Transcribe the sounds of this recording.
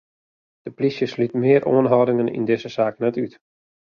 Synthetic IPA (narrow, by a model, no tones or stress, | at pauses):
d̥əplisjəslytmɪəɾʔoənɦɔwdɪŋənḭndɪzəsaːknɛtyt